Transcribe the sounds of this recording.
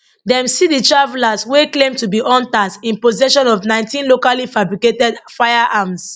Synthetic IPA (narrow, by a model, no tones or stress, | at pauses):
dɛ̃msiditɹavɛlasweklẽmtubiʔɔ̃ntasĩnpozɛʃɔ̃nɔvnãɪ̃ntĩnlokalifabɹiketɛdfaɪjaʔams